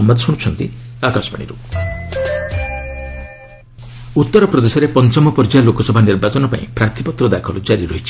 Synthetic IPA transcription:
ɔmad̪ʱsuɽ̃ut͡ʃʰɔnt̪iakasɔba̰ɽ̃ḭɾu | ut̪ːɔɾɔpɾɔd̪esɔɾepɔnt͡ʃɔmɔpɔɾd͡ʒalokɔsɔbʱaniɾbat͡ʃɔnɔpa̰ḭ̃pɾaɾt̪ʰi̥pɔt̪ɾɔd̪akʰɔld͡ʒaɾiɾɔɦit͡ʃʰi̥

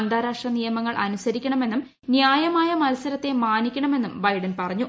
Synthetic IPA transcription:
nd̪ʱaːɾaːʂʈrɐnijɐmɐŋːɐɭʔɐ̰nusɐɾikʲːɐɳɐme̞nːum | njaːjɐmaːjɐmɐlɐsɐɾɐt̪ːe̞maːnikʲːɐɳɐme̞nːumbɐjɖɐnpɐrɐɲːu

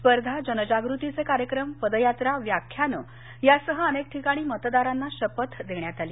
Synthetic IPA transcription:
spəɾd̪ʱad͡ʑənəd͡ʑaɡɾut̪it͡sekaɾjəkɾəmpəd̪əjat̪ɾaʋjakʰjanəː | jasəɦəənek̚ʈʰikaɽ̃iːmət̪d̪aɾanːaɕəpət̪d̪eɳjat̪aliː

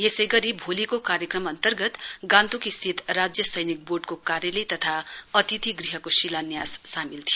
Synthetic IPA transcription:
jesejɡʌɾibʱolikokaɾjʌkrʌmʌnt̪ʌrɡʌt̪ɡãnt̪ukist̪ʰit̪rad͡zjʌsʌjnik̚boɖkokaɾjʌlet̪ʌt̪ʰaʌt̪it̪iɡriɦʌkosilanjasːamilt̪ʰio

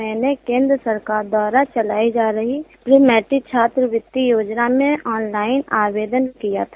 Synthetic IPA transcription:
ɛːnekẽːnd̪ɾəsəɾkaːɾd̪waːɾat͡ʃəlaːid͡ʒaːɾəɦipɾiːmɛːʈɪk̚t͡ʃʰaːt̪ɾəʋɪt̪ːijoːd͡ʒnamẽɔːnlaːɪnaːʋeːd̪ənkija̰t̪ʰa

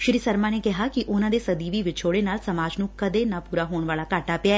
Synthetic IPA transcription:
ʃɪɾiːsəɾmãːneːkɪɦaːkɪʔʊnãːd̪eːsəd̪iːʋiːʋɪt͡ʃʰoːɽeːnaːlsəmaːd͡ʒnũːkəd̪eːnaːpuːɾaːɦoːɳʋaːlaːkaːʈaːpɪaɛː

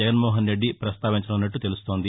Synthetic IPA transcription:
ɛɡɐnmoːɦɐnɾe̞ɖːipɾɐst̪aːʋiɲt͡ʃɐunːɐʈːut̪e̞lust̪o̞ːnd̪i

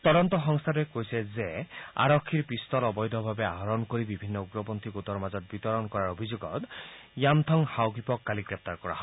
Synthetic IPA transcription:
t̪ɔd̪ɔnt̪ɔxɔŋst̪ʰaɾekojsezea̰ɾɔkʰːiɾpist̪ɔɾɔbɔjd̪ʱɔbʱabeaɦɔɾɔnkoɾibibʱinːɔuɡɾɔpɔnt̪ʰiɡot̪ɔɾmazɔt̪̚bit̪ɔɾɔnkɔɾaɾobʱid͡ʒuɡɔt̪jamt̪ʰɔŋhawɡipɔkːaliɡɾep̚t̪aɾkɔɾa̰ɦɔ

